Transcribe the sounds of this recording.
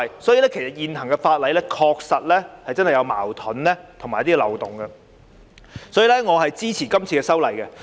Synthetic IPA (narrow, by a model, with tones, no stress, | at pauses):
jsɔː˨˥jiː˨˧lɛː˥kʰe˨˩jsɐ˨˩t̚jiː˨nt̪ɐ˨˩ŋkɛ˧faː˧t̚lɐ˨˧jlɛː˥kʰɔː˧k̚sɐ˨t̚lɛː˥hɐ˨jt͡sɐ˥nhɐ˨jɐ˨˧wma̰ː˨˩wt̪ʰɔ˨˥nlɛ˥t̪ʰʊ˨˩ŋmː˨jt̪iː˥ɛ˧lɐ̰˨˩wt̪ʊ˨˩ŋɡɛ˧ | sɔː˨˥jiː˨lɛː˥ŋɔː˨˧ɦɐ˨jt͡siː˥t͡sʰiː˨˩kɐ˥mt͡sʰiː˧kɛː˧sɐ˥wlɐ˨˩jkɛ˧